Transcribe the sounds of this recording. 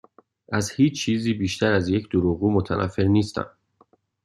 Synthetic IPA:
ʔæzhiːt͡ʃt͡ʃʰiːziːbiːʃt̪ʰæɾæzje̞cʰd̪̥oɾuːɣuːmot̪ʰænʔæ̰fːeɾniːst̪ʰæ̰m

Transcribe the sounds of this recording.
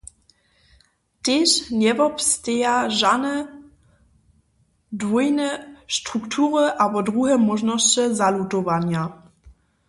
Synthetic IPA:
teɕnɛvɔpst̪ejaʒanɛ | dvujnɛʃtʁuktʰuʁəʔabɔdʁuɦɛmɔʒnɔst͡ɕəzalutɔvanja

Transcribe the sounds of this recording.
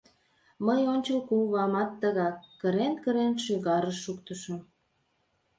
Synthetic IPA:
məjonʲt͡ɕəlkuβɑmɑt̪ːəɣɑkːəɾenkəɾenʃyɣɑɾəʃːukt̪əʃəm

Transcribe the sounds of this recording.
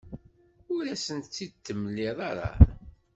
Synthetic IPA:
ʊɾæsənt̪t͡sːid̪t̪ːəmlːiðˤɑɾˤɑ̰

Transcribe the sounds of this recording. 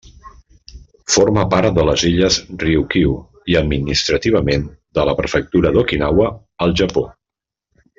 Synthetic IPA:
foɾməpaɾt̪̚d̪ələziʎəzriukiw | iəd̪̚minist̪ɾət̪iβ̞əmend̪ələpɾəfək̚t̪uɾəðokinawəː | lˠʒəpo

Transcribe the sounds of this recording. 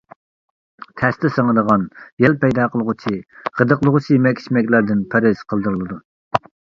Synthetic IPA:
t̪ʰɛst̪ɪsəŋəd̪əʁɑnjɛlpɛjd̪ɑqʰəlˠəʁʊt͡ʃʰiʁəd̪əqlˠəʁʊt͡ʃʰijmɛkʲʰːi̥ʃmɛkʲlæɾd̪ɪnpʰæɾɪz̥qʰəlˠd̪uɾlˠɨd̪u

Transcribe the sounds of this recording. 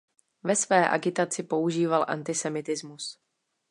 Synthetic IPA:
vɛsvɛːʔa̰ɡɪt̪at͡sɪpo̞uʒiːvalʔa̰nt̪ɪsɛmɪt̪ɪzmus

